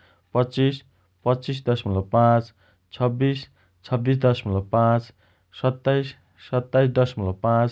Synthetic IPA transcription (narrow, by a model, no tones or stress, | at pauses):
pʌtt͡sis | pʌt͡sisd̪ʌsmʌlapãt͡s | t͡sʰʌbːis | t͡sʰʌbːis̬d̪ʌsmʌlʌpãt͡s | sʌt̪ːajsː | ʌt̪ːajs̬d̪ʌsmʌlapãt͡s